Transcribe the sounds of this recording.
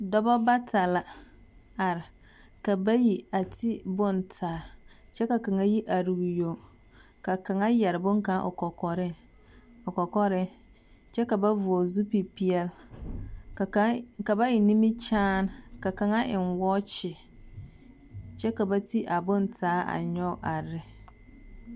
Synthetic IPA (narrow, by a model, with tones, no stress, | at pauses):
dɔ˦bɔ˦ba˦tʰa˨la˨ | a˨ɾɪ˨ | ka˨ba˦ji˨a˨tʰi˦bʊ˦ntʰaː˨˦t͡ʃɛ˦ka˨ka˨ŋa˦ji˦ʔa˨ɾu˨ɡjo˨ | ka˨ka˨ŋa˦jɛ˨ɾɪ˨bʊ̃˦ŋkã˨˦ʔʊ̰˨kɔ˨kɔ˨ɾɪ˦ | ʊ˨kɔ˨kɔ˦ɾɪ˦ | t͡ʃɛ˦ka˨ba˦vu˨o˨zu˦pi˨pi˦ɛ˦l | ka˨ba˦jɪ˨nĩ˦mi˦t͡ʃaː˦nka˨ka˨ŋa˦ʔɪ˨nwɔ˦t͡ʃɪ˨ | t͡ʃɛ˦ka˨ba˦ti˦ʔa˨bʊ˦ntʰaː˨˦a̰˨ɲɔ˦˨ʔa˨ɾɪ˦